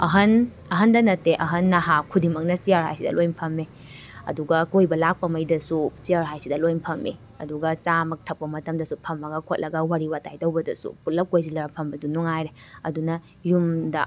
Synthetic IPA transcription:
ɐɦɐn | ɐɦɐndɐnɐteʔɐɦɐnːaɦakʰudimɐk̚nɐsiaɾɦa̰jsidɐ̰lojnpʰɐmːe | ɐ̰duɡɐkojbɐlak̚pɐmɐjdɐsusiaɾɦajsidɐlojmpʰɐmḛ | ɐ̰duɡɐsamɐk̚tʰɐk̚pɐmɐtɐmdɐsupʰɐmːɐɡɐkʰot̚lʔɐɡɐwaɾiwatajdɐwbɐdɐsṵputlɐp̚kojzilɐɡɐpʰɐmbɐdunuŋajɾe | ɐdunɐ | jumdɐ̰

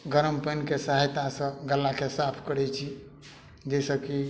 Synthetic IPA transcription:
ɡəɾəmpənkesəɦajt̪asə̃ɡəlːakesapʰkəɽɛt͡ʃʰi | d͡ʒɛsəki

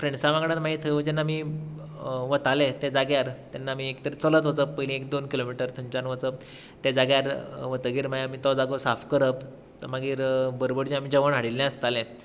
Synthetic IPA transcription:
fɾeɳsaʋaɡɽãt̪maɦit̪ʰəʋəd͡ʑanːami | ʋət̪alet̪ed͡zaɡjaɾt̪anːamiekt̪əɾet͡sələt̪ʋət͡səppəjlĩekd̪onkilomiʈəɾt̪ʰəɲt͡ɕanʋət͡səp̚ | t̪ed͡zaɡjaɾʋət̪əɡiːɾmajamiːt̪ɔd͡zaɡosafkəɾəp | əmaɡiːɾbəɾobəɽd͡ʑĩamiːd͡ʑəʋəɳɦaɽilːɛ̃əst̪alẽ

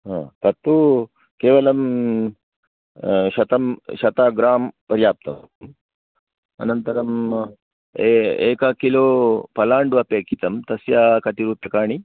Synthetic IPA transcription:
ɦã̰ːt̪ɐt̪ːu | keːʋɐlɐm | ɕɐt̪ɐmɕɐt̪aːɡɾaːmpɐɾjaːp̚t̪ɐ | m | ɐ̰nɐnt̪ɐɾɐm | eḛːkakiloːpɐlaːɳɖuʋɐpeːkit̪ɐmt̪ɐsjakɐt̪iɾuːpjɐkaːɳ̃i

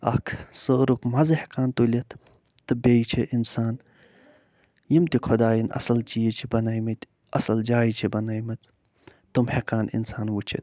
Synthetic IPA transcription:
ɐ̰kʰsəːɾukmɐzɐhekaːnt̪ulʲɐt̪ʰ | t̪ɨbʲejt͡ʃʰeʔinsaːn | jimt̪ikʰod̪aːjinʔɐ̰sɐlt͡ʃijit͡ʃʰibɐnɐjmɐt̪ | ɐsɐld͡ʒaːjit͡ʃʰibɐnɐjmɐt͡s̪ | t̪umhekaːnḭnsaːnʋut͡ʃʰḭt̪̚

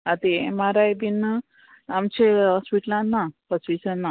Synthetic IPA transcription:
at̪emaɾajbinə | amt͡ɕeɦɔspiʈlãnːahɔsʋit͡sənːa

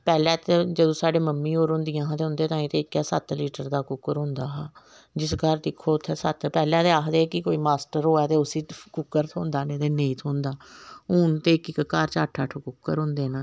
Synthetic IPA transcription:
pɛːlɛ̃ːt̪ed͡ʒəd̪õːsaːɖeːməmːĩːɦoːɾʊ̃nd̪ɪjãːɦãt̪eɦʊ̃nd̪eːt̪ãːĩːt̪eːɪkɛːsət̪liːʈəɾd̪aːkʊkːəɾɦʊ̃nd̪aːɦaː | d͡ʒɪsɡʱəɾd̪ɪkʰːoːt̪ʰːeːsət̪pɛːlɛ̃ːt̪eːaːxd̪eːkɪkoːiːmaːsʈəɾɦoːɛːt̪eːʊsiːkʊkːəɾt̪ʰõːnd̪aːnẽːt̪eːneːit̪ʰõːnd̪aːʊːnt̪eːɪkɪkkaːɾt͡ʃaːʈʰaːʈʰokʊkːəɾɦʊ̃nd̪eːnãː

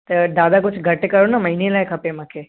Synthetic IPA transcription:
t̪əd̪ad̪aɡut͡ʃʰɡʱəʈekəɾunaməinelajkʰəpemakʰe

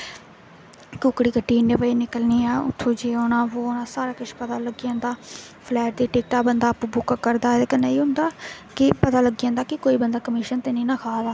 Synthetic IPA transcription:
kʊkɽiːkəʈːiːneʋəiːnɪkəlniːɛːʊ̰t̪ʰːõːd͡ʒeːoːnãːʋoːonãːsaːɾaːkɪʃpət̪aːləɡijãːnd̪aː | pʰlɛːʈ̚d̪iːʈɪːk̚ʈaːbənd̪aːpuːbʊkkəɾd̪aːd̪ekəneːiːɦʊ̃nd̪aː | kɪpət̪aːləɡijãːnd̪aːkɪkoːiːbənd̪aːkəmɪːʃənt̪eːnĩːnãːkʰaːd̪aː

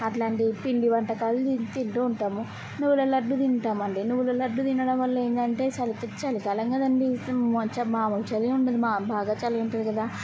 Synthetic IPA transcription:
ɐʈlaːɳʈipiɳɖiʋɐɳʈɐkaːluit̪inʈuːɳʈaːmu | nuʋːulɐlɐɖːud̪inʈaːmɐɳɖinuʋulolɐɖːud̪inːɐɽɐmʋɐlːeːnd̪ɐɳʈe̞ːt͡ʃɐlikɐt͡ʃɐlikɐːlɐŋɡɐd̪ɐɳɖit͡ʃɐmaːmɐt͡ʃɐliuɳʈɐd̪imaːbʱaːɡaːt͡ʃɐlijuɳʈɐd̪ikɐd̪aː

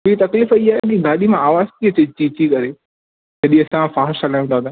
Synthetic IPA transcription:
it̪ɐkliːfiaːɦekiɡaːɗimãaːʋaːzt̪ʰiɐt͡ɕet͡ɕiːt͡ɕikɐɾe | d͡ʑɐɗĩɐsãfaːɦɾʃɐlaːʋẽnd̪aa

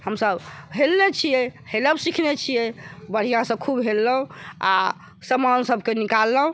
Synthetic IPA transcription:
həmsəbɦelnet͡ʃʰijɛheləbsikʰnet͡ʃʰijɛbəɽ̤ijãsəbkʰubɦelːəɦũa̰ | səmansəbkenikalːəɦũ

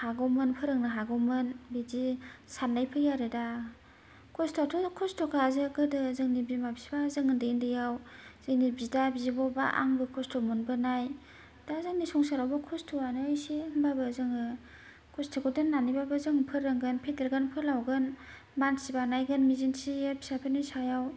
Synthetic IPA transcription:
haɡɔmɯnpʰɯɾɯŋnɯɦaɡɔmɯnbidisanːajpʰɯjaɾɯda | kʰɔstʰatʰɔkʰɔstʰɔkʰazɯɡɯdɯzɯŋnibimabsi̥bazɯŋɯndɯindɯjawz̥ɯŋnibidabizibɔba̰ʔa̰ŋbɯkʰɔstʰɔmɯnbɯnaj | dazɯŋnisɔŋsaɾawbɯkʰɔstʰɔanɯjsinbabɯzɯŋɯ | kʰɔstʰɯkʰɔdɯnːanibabɯzɯŋpʰɯɾːɯŋɡɯnpʰedɯɾɡɯnpʰɯɾlawɡɯn | mansibanajɡɯnmizinsiepʰi̥sapʰɯnɯjsajaw

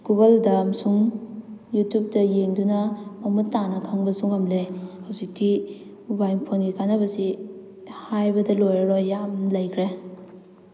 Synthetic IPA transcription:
ɡ̥uɡɐldɐmsuŋ | jutjup̚tɐjeŋdunɐmɐmutːanɐkʰɐŋbɐsuŋɐmleawsik̚tʰi | bajnpʰonɡikʰanɐbɐsi | hajbɐdɐlojɾojjamlɐjkʰɾe

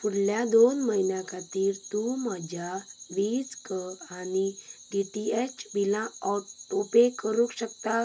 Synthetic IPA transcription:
puɽ̤ljad̪onməɦinjãkat̪iːɾt̪umad͡ʑʱaʋiːd͡zkəaniɖiʈiet͡ʃbilãɔɾt̪opekəɾukɕəkt̪a

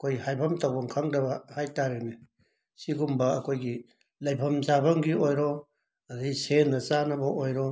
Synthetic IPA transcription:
kʰojhajbʰʱɐmtawbɐŋkʰaŋdɐbɐhajtaɾeni | siɡumbɐɐkʰojɡi | lɐjbʰʱɐmzabɐŋɡiojɾɔ | ɐdijsenːɐt͡ʃanɐbɐʔojɾɔ

